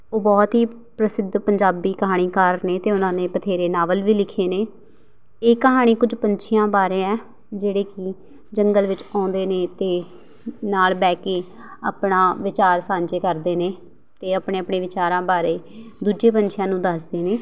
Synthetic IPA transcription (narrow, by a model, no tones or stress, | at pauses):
oːbɔːt̪ɦiː | pɾəsɪd̪ʱpəɲd͡ʒaːbiːkəɦaːɽ̃iːkaːɾneːt̪eːʊnãːnẽːpət̪ʰeːɾeːnaːʋəlʋiːlɪkʰeːneː | eːkəɦaːɽ̃iːkʊd͡ʒpəɲt͡ʃʰɪjãːbaːɾẽːɛː | d͡ʒeːɽeːkɪ | d͡ʒəŋɡəlʋɪt͡ʃãːʊnd̪eːneːt̪eː | naːlbɛːkeː | a̰ːpnaːʋɪt͡ʃaːɾsãːɲt͡ʃeːkəɾd̪eːneː | t̪eːəpɳẽːəpɳeːʋɪt͡ʃaːɾãːbaːɾeːd̪uːd͡ʒeːpəɲt͡ʃʰɪjãːnũːd̪əsd̪eːneː